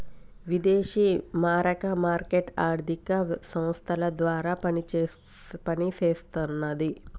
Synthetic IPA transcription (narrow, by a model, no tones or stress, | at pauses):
ʋid̪eːʃimaːɾɐkɐmaːɾkeʈaːɾd̪ʱikɐsɐm̃st̪ʰɐlɐd̪ʋaːɾaːpɐnit͡ʃː | pɐnit͡ʃeːst̪unːɐd̪i